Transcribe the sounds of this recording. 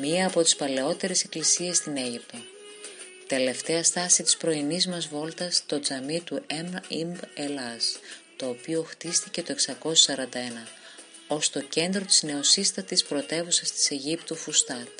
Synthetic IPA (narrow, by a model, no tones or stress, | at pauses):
miɐːpo̞t̪i̥spɐle̞o̞t̪e̞ɾese̞klisie̞st̪ine̞ʝip̚t̪o | t̪e̞le̞ft̪e̞ɐst̪ɐsit̪i̥spɾo̞inizmɐzvo̞lt̪ɐst̪o̞d͡zɐmit̪uʔemimbelɐst̪o̞ːpio̞xt̪ist̪ice̞t̪o̞eksɐko̞sisɐɾɐnd̪ɐe̞nɐ | o̞st̪o̞ce̞nd̪ɾo̞t̪izne̞o̞sist̪ɐt̪ispɾo̞t̪e̞vusɐst̪i̥se̞ʝipt̪ufust̪ɐt̪